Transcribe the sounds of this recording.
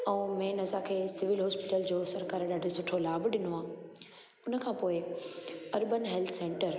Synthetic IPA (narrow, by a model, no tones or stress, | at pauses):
ɛ̃ːmẽːnɐzakʰeːsɪʋɪlɦɔːspɪʈəld͡ʑoːsɐɾkaːɾɗaːɖʱisʊʈʰolaːbɗɪnoaː | ʊnə̆kʰãːpoːɪ | ɐɾbənɦɛlt̪ʰsẽːɳʈəɾ